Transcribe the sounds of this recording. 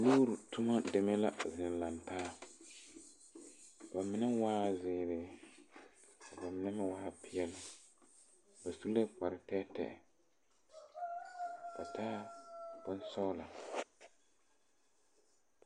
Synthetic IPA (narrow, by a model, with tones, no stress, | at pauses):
loː˦ɾu˨tʊ˦ma˦dɛ˨mɛ˦la˦zɪ˨n˨la˨ntaː˦˨ | ba˨mɪ˨nɛ˦waː˦zɪː˨ɾɪ˨˦ | ka˨ba˨mɪ˨nɛ˦mɪ̃˦waː˦pʰɪ˦jɛ˦lɪ˦ | ba˨su˦a˦k͡pa˨ɾɪ˨tɛ˦tɛ̰˨ɛ̰˨ | ka˨taː˦b̥ʊ˦nsɔ˦ʊ˦la˨